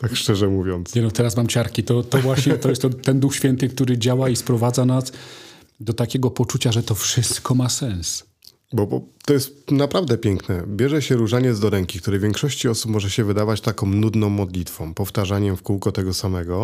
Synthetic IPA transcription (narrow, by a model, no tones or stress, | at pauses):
t̪akʂt͡ʂɛʐɛmuvʲjɔnt̪sɲɛnɔt̪ɛɾasmamt͡ɕaɾkʲit̪ɔt̪ɔvwaɕɲɛt̪ɔjɛst̪ːɔt̪ːɛnd̪uxɕfʲjɛnt̪ɘk̚t̪uɾɘd͡ʑawaispɾɔvad̪zanas | d̪ɔt̪akʲɛɡɔpɔt͡ʂut͡ɕaʐɛt̪ɔfʂɘst̪kɔmasɛ̃ñs | bɔpɔt̪ɔjɛst̪napɾavd̪ɛpʲjɛŋknɛbʲjɛʐɛɕɛɾuʐaɲɛt̪zd̪ɔɾɛŋkʲikt̪uɾɛjvjɛŋkʂɔɕt͡ɕiɔsupmɔʐɛɕɛvɘd̪avat͡ɕt̪akɔ̃w̃nud̪nɔ̃w̃ːɔd̪lʲit̪fɔ̃w̃pɔft̪aʐaɲɛmfkuwkɔt̪ɛɡɔsamɛɡɔ